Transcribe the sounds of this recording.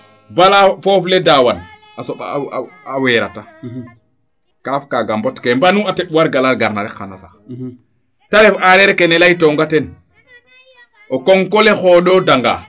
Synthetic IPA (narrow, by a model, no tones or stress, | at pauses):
balafɔːflɛdawan | ʔasɔɓa̰awɛːɾa̰ta | kafkaɡambɔtkɛmbanuatɛɓuwaɾɡalaɾɡaɾnaɾɛka̰nasax | taɾɛfaɾɛɾɛkɛnɛlajtɔŋɡatɛn | ʔɔkɔŋkɔlɛxɔɗɔdaŋɡa̰